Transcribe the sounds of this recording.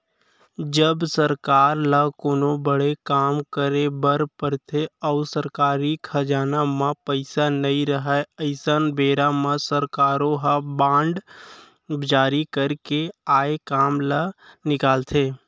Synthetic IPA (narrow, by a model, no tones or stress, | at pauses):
d͡ʒəbsəɾkaːɾləkoːnobəɽekaːmkəɾebəɾpəɾt̪ʰeɔʊsəɾkaːɾikʰəd͡ʒaːnamãpəɪsanɐĩɾəɦɛəɪsənbeːɾamãsəɾkaːɾõɦabãːɳɖ | d͡ʒaːɾikəɾkeaːekaːmlənɪkaːlt̪ʰeː